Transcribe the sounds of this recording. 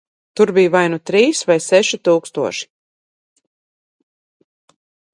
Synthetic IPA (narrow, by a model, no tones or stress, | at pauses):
t̪uɾbijuvajnut̪ɾiːsvajsɛʃit̪uːkst̪uɔʃi̥